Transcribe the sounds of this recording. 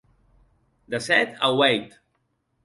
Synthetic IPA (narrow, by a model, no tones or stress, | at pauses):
d̪əsɛt̪ʰa̰wejt̪